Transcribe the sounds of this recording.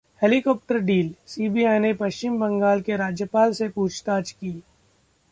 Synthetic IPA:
heːlikɔːp̚ʈəɾɖiːlsiːbiaːɪnepɐʃt͡ʃɪmbɐ̃ŋɡaːlkeɾaːd͡ʒjəpaːlsepuːt͡ʃʰt̪aːt͡ʃkiː

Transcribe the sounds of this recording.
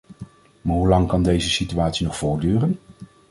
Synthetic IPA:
maːɹɦulɑŋkɑndejzəsityaːtsinɔχfʊːɹdyːrən

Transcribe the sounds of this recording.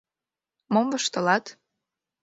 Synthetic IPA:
momvə̆ʃt̪ə̆lɑt̪

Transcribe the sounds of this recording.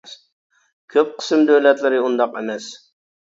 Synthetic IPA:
s | kʲʰøp̚qʰə̥sɨmd̪øwlɛt̪lɪɾɪund̪ɑqḛmɛs

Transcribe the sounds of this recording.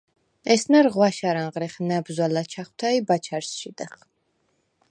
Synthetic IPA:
ɛsnaɾʁwaʃaɾaŋʁɾɛχnabzwalat͡ʃʰaχwt̪ʰaibat͡ʃʰaɾsʃid̪ɛχ

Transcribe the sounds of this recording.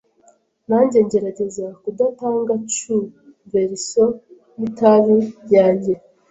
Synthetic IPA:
naɲɟe̞ɲɟe̞ɾaɟe̞zakudataːŋɡat͡ʃu | ɱveɾiso | jitaβejaːɲɟe̞

